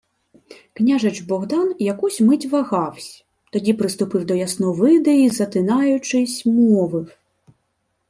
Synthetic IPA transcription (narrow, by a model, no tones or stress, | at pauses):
knʲaʐɐt͡ʂbɔɣd̪anjakusʲmɪt͡sʲvaɣɑwsʲɐ | t̪ɔdʲipɾɨst̪ʊpɨwd̪ɔjasnɔvɪd̪ɛizɐt̪ɪnajʊt͡ʂɨsʲmɔvɨw